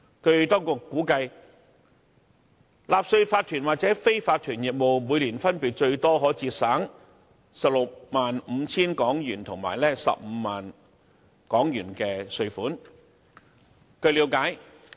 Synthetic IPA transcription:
kʰɵ˨˧ɥt̪ɔː˥ŋkʊ˧kːuː˨˥kɐ˧j | laː˨p̚sɵ˧ɥfaː˧t̪ʰyː˨˩nwaː˨˩t͡sɛː˨˥fe˥jfaː˧t̪ʰyː˨˩njɪ˨k̚mo˨wmuː˨˧jliː˨˩nfɐ˥npiː˨t̚t͡ʃɵ˧ɥt̪ɔː˥ɦɔː˨˥t͡siː˧t̚saː˨˥ŋ | sɐ˨p̚lʊ˨k̚maː˨nm̩˨˧t͡sʰiː˥nkɔː˨˥ŋjyː˨˩nt̪ʰʊ˨˩ŋma̰ː˨˩jlɛː˥sɐ̰˨p̚m̩ː˨˧maː˨˩n | kɔː˨˥ŋjyː˨˩nkɛː˧sɵ˧ɥfuː˨˥n | kʰɵ˧ɥliː˨˥wkaː˨˥j

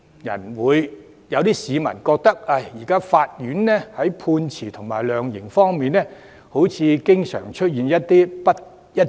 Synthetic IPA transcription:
jɐ̰˨˩nwuː˨˧j | jɐ˨˧wt̪iː˥siː˨˧mɐ̰˨˩nkɔː˧k̚t̪ɐ˥k̚ɐ˧˩jjiː˨˩kaː˥faː˧t̚jyː˨˥nnɛː˥hɐ˨˥jpʰuː˧nt͡sʰiː˨˩t̪ʰʊ˨˩ŋmaː˨˩jlœː˨˧ŋjɪ˨˩ŋfɔː˥ŋmiː˨˧nːɛː˥ | ho˨˥wt͡sʰiː˨˧kɪ˥ŋsœ̰ː˨˩ŋt͡ʃʰɵ˥t̚jiː˨njɐ˥t̚t̪iː˥pɐ˥t̚ | jɐ˥t̚

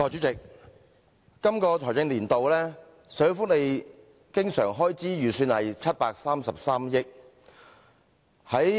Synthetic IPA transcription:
ɔː˨jt͡ʃyː˨˥t͡sɪ˨k̚ | kːɐ˥mkɔː˧t̪ʰɔː˨˩t͡sɪ˧ŋliː˨˩nt̪o˨wlɛː˥ | sœ˨˥fʊ˥k̚le˨˧j | kɪ˥ŋsœ̰ː˨˩ŋɦɔː˥jt͡siː˨˥jyː˨˩syː˧nhɐ̰˨jt͡sʰɐ˥t̚paː˧k̚saː˥msɐ˨p̚saː˥mjɪ˥k̚ | hɐ˨˥j

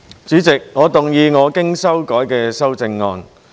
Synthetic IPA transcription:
t͡syː˨˥t͡sɪ˨k̚ŋɔː˨˧t̪ʊ˨ŋjiː˧ŋɔː˨˧kɪ˥ŋsɐ˥wkɔː˨˥jkɛː˧sɐ˥wt͡sɪ˧ŋːɔ̰ː˧n

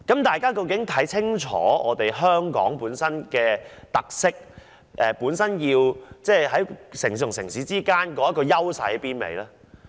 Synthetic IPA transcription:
kɐ˨˥mt̪aː˨jkaː˥kɐ˧wkɪ˨˥ŋt̪ʰɐ˨˥jt͡sʰɪ˥ŋt͡ʃʰɔ̰ː˨˥ɔː˨˧t̪e˨jɦœː˥ŋkɔ̰ː˨˥ŋpuː˨˥nsɐ˥nkɛː˧t̪ɐ˨k̚sɪ˥k̚ | ʔɛː˨puː˨˥nsɐ˥njiː˧wt͡sɛː˥˩ɦɐ˨˥jsɪ˨˩ŋsʊ˨˩ŋsɪ˨˩ŋsiː˨˥t͡siː˥kaː˥nkɔː˨˥jɐ˥tkɔː˧jɐ˥wsɐ̰˨˥jpiː˥nmḛ˨˧jlɛː˥

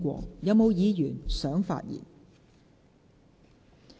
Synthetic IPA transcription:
kʷɔ̰ː˧jɐ˨˧wmo˨˧wjiː˨˧jyː˨˩nsœː˨˥ŋfa̰ː˧t̚jḭː˨˩n

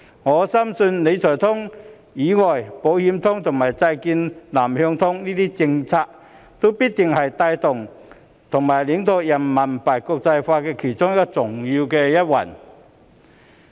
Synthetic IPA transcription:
ŋɔː˨˧sɐ˥msɵ˧nle˨˧jt͡sʰɔː˨˩t̪ʰʊ˥ŋ | jiː˨˥ŋɔː˨˩jpo˨˥whi˨˧˥mt̪ʰʊ˥ŋt̪ʰʊ˨˩ŋmaː˨˩jt͡sa˧jkiː˧nlaː˨˩mhœ˧ŋt̪ʰʊ˥ŋniː˥t̪iː˥t͡sɪ˧ŋt͡sʰaː˧k̚ | t̪o˥wpiː˥t̚t̪ɪ˨ŋhɐ˨jt̪aː˧jt̪ʊ˨˩ŋ | t̪ʰʊ˨˩ŋmaː˨˩jli˨˥ŋt̪o˧jɐ˨˩nmɐ˨˩npaː˨˩jkʊ˧k̚t͡sɐ˧jfaː˧kɛː˧kʰe˨˩jt͡sʊ˥ŋjɐ˥kːɔ˧t͡sʊ˨˩ŋji˧wkɛː˧jɐ˥t̚wɐ̰˨˩n

